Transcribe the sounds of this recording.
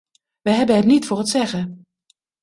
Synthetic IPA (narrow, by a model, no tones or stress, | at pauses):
ʋəjɦɛbəɦətnitfʊːrɦətsɛχə